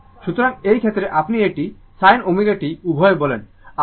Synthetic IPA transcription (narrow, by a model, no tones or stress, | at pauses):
ʃut̪oɾaŋejkʰet̪ɾeʔapnieʈi | sajnomiɡaʈiubʱɔebɔlḛn | a